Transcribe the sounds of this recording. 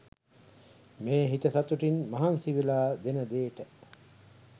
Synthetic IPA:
meːɦit̪əsat̪uʈinmɐɦansiʋilaːd̪enəd̪eːʈə

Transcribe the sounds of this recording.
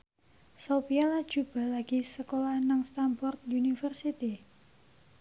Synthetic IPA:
sopialad̥ʒ̥ṳb̥a̤laɡ̥i̤səkolanaŋst̪ambɔrt̪̚unifərsit̪i

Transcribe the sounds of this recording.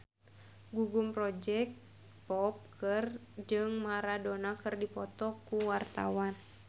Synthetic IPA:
ɡuɡumpɾɔd͡ʒɛk̚t̪ | pɔp̚kʰɨrd͡ʒɨŋmaɾadonakɨrdipɔt̪ɔkuwart̪a̰wan

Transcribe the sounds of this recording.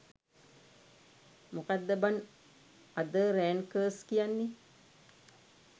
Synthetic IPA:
mukad̪ːəban | ad̪əɾæːnkəːskijanːe

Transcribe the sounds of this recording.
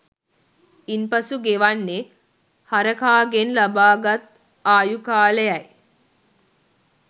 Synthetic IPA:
inpɐsuɡeʋanːe | haɾəkaːɡenlabaːɡat̪ | aːjukaːləjɐj

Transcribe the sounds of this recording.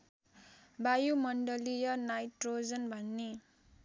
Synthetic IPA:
bajumʌɳɖʌlijʌnajʈrod͡zʌnbʱʌnːe

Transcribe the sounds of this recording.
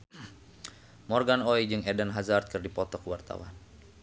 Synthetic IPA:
mɔrɡanɔid͡ʒɨŋɛdənɦazart̪̚kɨrdipɔt̪ɔkwart̪a̰wa̰n

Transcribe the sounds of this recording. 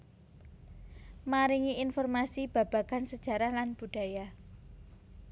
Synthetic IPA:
maɾiŋiinfɔrmasib̥ä̤b̥ä̤ɡ̥ansəd̥ʒ̥ä̤ɾalanb̥ṳɖ̥ä̤ja

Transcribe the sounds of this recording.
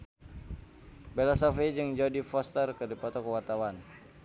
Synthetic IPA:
bɛlasɔfed͡ʒəŋd͡ʒaudifɔst̪ərkədipɔt̪ɔkəwart̪awan

